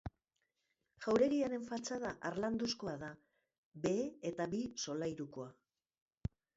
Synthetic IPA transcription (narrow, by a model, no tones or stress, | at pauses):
ʝawɾe̞ɾiaɾe̞ɱfalt͡saðaʔaɾland̪usko̞aða | be̞ːet̪aβiso̞lajɾuko̞a